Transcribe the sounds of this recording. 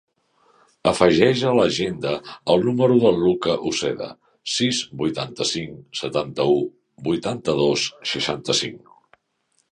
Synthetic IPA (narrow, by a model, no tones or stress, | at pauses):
əfəʒɛʒələʒend̪əːlˠnuməɾuðəlˠlukəʔusɛðə̰ | sizbujt̪ant̪əsiŋsət̪ant̪əu | bujt̪ant̪əðosʃəʃant̪əsḭŋ